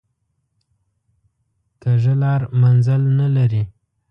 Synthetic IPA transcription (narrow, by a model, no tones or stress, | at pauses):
t̪əʒəlɑɾmanzalnalaɾi